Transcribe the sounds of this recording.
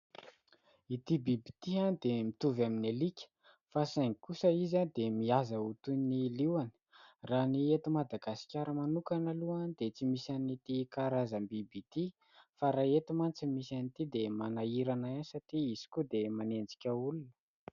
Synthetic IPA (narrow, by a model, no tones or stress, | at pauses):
it̪ibibit̪ianid̪emit̪uvaminelikʲə̥ | fasaŋikusəizand̪emiazaut̪uniliwani̥raniet̪umad̪aɡasi̥kʲaɾəmanukanaluand̪et͡simisanit̪ikaɾazəmbibit̪i | faɾaet̪imant͡simisanit̪id̪emanaiɾanaansatiisi̥kud̪emanend͡zi̥kʲəulunə̥